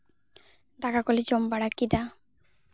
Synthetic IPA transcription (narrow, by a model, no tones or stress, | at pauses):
d̪akakolid͡ʑombaɽakid̪a